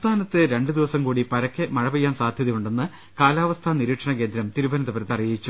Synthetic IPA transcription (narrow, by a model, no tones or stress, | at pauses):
t̪ʰaːnɐt̪ːɨɾe̞ɳɖɨd̪iʋɐsɐmkuːɽipɐɾɐkːemɐɻɐbɐjːaːnsaːd̪ʱjɐðijuɳɖe̞nːɨ | kaːlaːʋɐst̪ʰaːniɾiːʈʂɐɳɐke̞ːnd̪ɾɐmt̪iɾubɐnɐðɐpeɾt̪ːɐrijit͡ɕːu